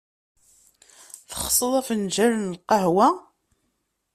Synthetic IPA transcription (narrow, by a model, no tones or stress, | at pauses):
θəχsˤəðˤɑfnʒæɾənlqɑhwæ